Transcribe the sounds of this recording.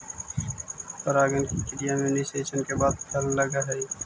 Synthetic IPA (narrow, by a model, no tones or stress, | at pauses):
pəɾaːɡənkikɪnijamuːniseːʃənkebaːd̪̚pʰɐllɐɡaɦɛː